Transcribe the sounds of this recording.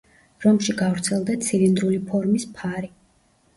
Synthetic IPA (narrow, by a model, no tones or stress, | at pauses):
ɾɔmʃiɡavɾt̪sʰɛlˠd̪at̪sʰilind̪ɾulipʰɔɾmispʰaɾi